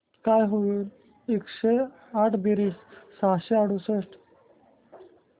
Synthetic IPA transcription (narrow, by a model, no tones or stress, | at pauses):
kajɦoul | ekɕe | aʈʰbiɾissaɕeaɽusəʂʈ